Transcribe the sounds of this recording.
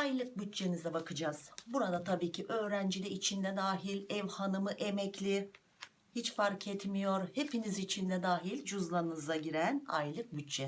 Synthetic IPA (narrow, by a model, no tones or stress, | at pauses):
ajlˠɯk̚byt̪̚t͡ʃe̞nizɛbakʰɯd͡ʒaːz̥buɾad̪at̪ʰabiːcʰiʔø̞ːɾænd͡ʒid̪ʲɛit͡ʃʰind̪ɛd̪aːɦilʲɛvhanɯmɯʔemɛclʲi | hit͡ʃfaɾkʰɛt̪mijo̞ɾhe̞pinizit͡ʃʰind̪ɛd̪aːɦilʲd͡ʒuzlˠaɯnɯzˠaɟiɾæna̰jlˠɯk̚byt̪̚t͡ʃɛ